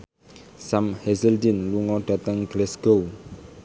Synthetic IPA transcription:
samhɛzəldinluŋɔd̥at̪əŋɡlɛsɡow

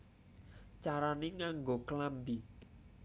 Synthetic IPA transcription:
t͡ʃaɾaneŋaŋɡokəlambi

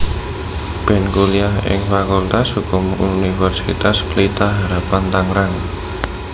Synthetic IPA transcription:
b̥ɛnkuliaɦɪ̰ŋfakult̪ashukʊmunifɛrsḭt̪asplit̪aɦaɾapant̪aŋɾaŋ

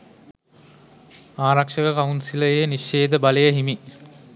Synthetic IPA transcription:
aːɾakʂəkəkaunsiləjeniʃːeːd̪əbaləjəɦimi

